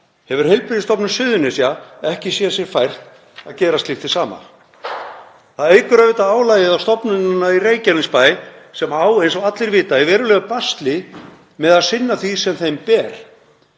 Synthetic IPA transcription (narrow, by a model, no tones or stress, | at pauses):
hɛvʏɾ̥hɪjlpɾɪðɪst̪ɔpnʏsʏːðʏnɪsjaɛhcɪsjɛsjɛɾ̥fajr̥t̪ | aðcɛːɾast̪ɪft̪ɪ̥saːma̰ | θaðeːjkʏɾœvɪːt̪aaːwlajɪðawst̪ɔpnʏnɪnːaireːjcanɪŋspaːjsɛmaːwejnsɔɣat̪lɪɾvɪːt̪aɛvɛːɾʏlɛːɣapast̪lɪ | mɛðaðsɪnːaθvisɛmθejmpɛːɾ̥